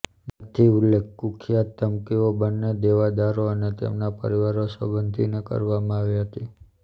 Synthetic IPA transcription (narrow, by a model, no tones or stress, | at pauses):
mət̪ʰiulːek̚ʰːukʰjat̪ːəmkiobənːed̪eʋad̪aɾoənet̪ḛmnapə̰ɾiʋaɾosəbənd̪ʱinekə̰ɾʋamãaʋiɦət̪i